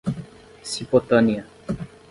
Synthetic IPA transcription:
sipot̪ania

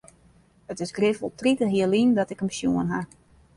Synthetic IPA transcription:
ətɪsɡrɪfolˠtritəɦiəlindɔtɪkəmsjuənɦa

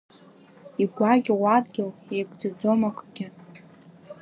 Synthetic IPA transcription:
iɡʷaɡʲɪwʷadɡʲɪlejɡʷd͡zad͡zomakʷʰʼɡ̥ʲɪ

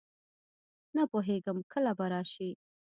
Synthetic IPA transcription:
napoɦeɡəmkʰəlabaɾɑʃi

